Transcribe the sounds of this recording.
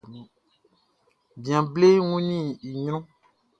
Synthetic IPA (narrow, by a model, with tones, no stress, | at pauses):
ñ˨ | bĩ˨ã˨ble˦ŋũ˦nĩ˦˨i˨ɲɾɔ̃˦